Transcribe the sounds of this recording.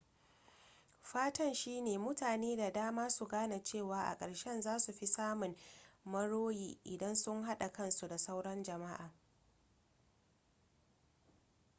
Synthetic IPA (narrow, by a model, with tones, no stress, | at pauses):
ɸaː˦tɐ˦nʃiː˦neː˨mʊ˦taː˨neː˦da˨daː˦maː˦su˨ɡaː˦na˨t͡ʃeː˦˨waː˨ʔa̰˨kʼɐ˨ɽʃɛ˦nzaː˦su˨ɸi˦saː˦mʊ˨ŋmɐ˦ɽoː˦jḭː˦ʔɪ˨dɐ˦nsʊ˦ŋɦa˦ɗa˨kɐ˦nsu˨da˨sa˦wɽɐ˦nd͡ʒɐ˨ma˦ʔaː˨